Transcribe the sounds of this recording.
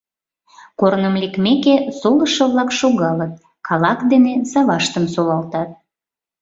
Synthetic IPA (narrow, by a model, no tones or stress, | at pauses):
koɾnəmlekmekesoləʃəβlɑkʃoɣɑlət̪̚ | kʰɑlɑkd̪enezɑβɑʃt̪əmsolɑlt̪ɑt̪̚